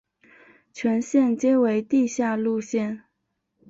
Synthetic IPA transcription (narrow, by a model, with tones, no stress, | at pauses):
t͡ɕʰɥɛ˧˥nɕjɛ˥˩nt͡ɕje˥we˧˥ɪt̪i˥˧ɕja˥˧lu˥˧ɕjɛ˥˩n